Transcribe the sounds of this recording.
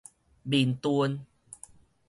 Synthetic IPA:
bi˨˩nt̪u˧ən

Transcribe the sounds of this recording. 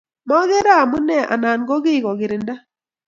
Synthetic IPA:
mɔ˦ɣe˦ɾa˦˨mu˦nɛ˦˨ʔa̰˨na˨nɡɔ˦ɡɪ˦˨ɣɔ˨ɡɪ˨ɾɪ˨nda˦

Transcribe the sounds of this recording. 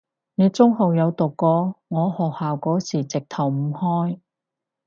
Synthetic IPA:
ne˨˧˥t͡sʊ˥ŋɦo˨wjɐ˨˧wt̪ʊ˨˩kːɔː˨˧ŋɔː˨˧hɔː˨k̚haː˨wkɔː˨˥siː˨˩t͡sɪ˨k̚t̪ʰɐ˨˩wm̩˨˧˩hɔː˥j

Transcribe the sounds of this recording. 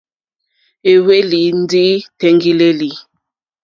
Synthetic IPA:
e˨we˦li˨˦n̩˦di˦tɛ˦ŋɡi˦le˦li˨

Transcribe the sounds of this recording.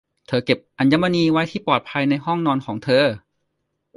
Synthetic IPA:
t̪ʰɤː˧ke˨˩p̚ʔa˧njaː˧˥ma˧niː˧wa˦˥jt̪ʰiː˥˩pɔː˨˩t̪̚pʰa˧jna˧jɦɔ˥˩ŋnɔː˧nkʰɔː˩˦ŋt̪ʰɤː˧

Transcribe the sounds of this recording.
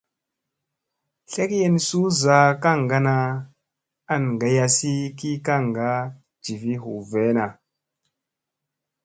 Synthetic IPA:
ɬe˦kje˦nsu˦za˨ka˦˨ŋɡa˦na˨ | a˦n˨ɡa˨ja˨si˦ki˦ka˦˨ŋɡa˦ | d͡ʒi˨vi˦ɦu˨ve˦na˨

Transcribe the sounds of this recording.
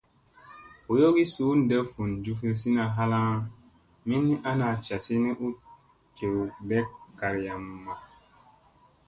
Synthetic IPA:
o˨jo˦ɡi˦su˨˦n̩˨dɛ˦fu˨nd͡ʒu˦fi˦s̬i˦na˨ɦa˦lã˦ | mi˦nːi˦ʔa˦na˨t͡ʃa˨si˦ni˦ʔu˦ | ke˨bɛ˦kkːa˨ɾja˨mːa˨

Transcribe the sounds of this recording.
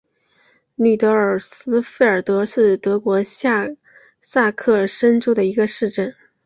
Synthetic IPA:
ny˨˩t̪ɤ˧˥ə˞˨˩sɹ̩˥fe˥˩ɪə˞˨˩t̪ɤ˧˥ʂɻ̩˥˩t̪ɤ˧˥kwɔ˧˥˧ | sa˥˧kʰɤ˥˩ʂə˥nʈ͡ʂu˥d̪ə˨i˧˥ɡə˧ʂɻ̩˥˧ʈ͡ʂə˥˩n

